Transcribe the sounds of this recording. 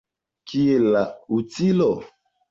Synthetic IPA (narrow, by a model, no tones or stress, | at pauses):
kielautilɔ